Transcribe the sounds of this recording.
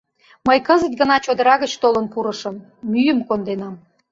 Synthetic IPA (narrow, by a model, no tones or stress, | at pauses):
məjkəzə̆t̪̚ɡənɑt͡ɕod̪əɾɑɣət͡ɕt̪olənpuɾəʃəmː | yjəmkond̪enɑm